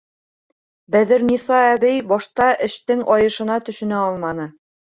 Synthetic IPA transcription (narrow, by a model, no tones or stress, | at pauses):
bæðɘ̆ɾnʲisɑæβɘjbɒʃt̪ɑʔɘ̆ʃt̪ɘŋʔɒjɤ̆ʃɤ̆nɑt̪ɵ̆ʃɵ̆næɒlˠmɑnɤ